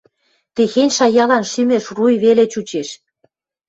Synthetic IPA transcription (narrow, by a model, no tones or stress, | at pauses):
t̪exenʲʃɑjɑlɑnʃymeʃrujβelet͡ɕut͡ɕeʃ